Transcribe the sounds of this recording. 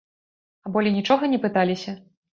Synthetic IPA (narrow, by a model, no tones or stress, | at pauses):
ɐbɔlʲinʲit͡ʂɔɣɐnʲɛpɨt̪alʲisʲɐ